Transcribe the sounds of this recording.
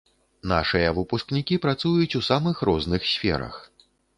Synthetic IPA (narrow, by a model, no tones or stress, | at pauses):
na̰ʂɨjɐvɨpusknʲikʲipɾat̪sujut͡sʲusamɨxɾɔznɨxsʲfʲɛ̰ɾɐ̰x